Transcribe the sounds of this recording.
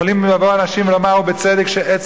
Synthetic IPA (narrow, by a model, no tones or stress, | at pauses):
olimevavoanaʃimvlomaubet͡sed̪ekʃeʔet͡s